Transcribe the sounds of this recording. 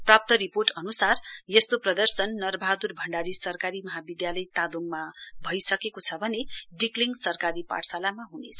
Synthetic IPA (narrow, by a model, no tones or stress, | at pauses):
prap̚t̪ʌɾiporʈʌnusarjʌst̪oprʌd̪ʌrsʌnːʌrbʱad̪urbʱʌɳɖaɾisʌrkaɾimʌɦabid̪jalʌjt̪ad̪omːabʱʌjsʌkekot͡sʰʌbʱʌneɖikliŋɡsʌrkaɾipa̰ʈsalamaɦunet͡sʰʌ̥